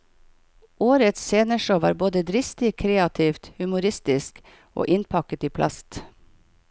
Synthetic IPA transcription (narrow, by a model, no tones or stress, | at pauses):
oːɾət̪seːnəʃoʋɑ̰ːɾboːd̪əd̪ɾɪst̪ɪkʰɾeːɑt̪ʰiːft̪hʉmʊɾɪst̪ɪsk | o̰ːʔɪnpʰɑkət̪iːpʰlɑ̰st̪